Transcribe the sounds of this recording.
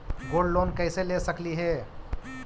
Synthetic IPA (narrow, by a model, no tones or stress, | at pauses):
ɡoɖlonkəɪselesəkliɦe